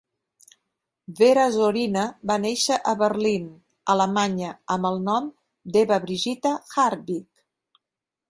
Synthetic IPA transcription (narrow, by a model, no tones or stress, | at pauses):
βeɾəzoɾinəbaneʃəʔəβəɾlin | ələmaɲəəməlˠnɔm | d̪eβəβɾiʒit̪əxaɾβik